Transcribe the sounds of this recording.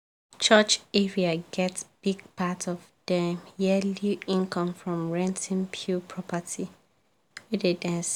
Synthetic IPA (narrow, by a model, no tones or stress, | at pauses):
t͡ʃʰət͡ʃɛɹiaɡɛtsb̥iɡ̚pʰatɔvd̥ɛ̃mjɛluĩnkʰɔ̃mfɹɔ̃mɹɛ̃ntĩnpʰjupʰɹɔpətʰi | widedɛ̃ns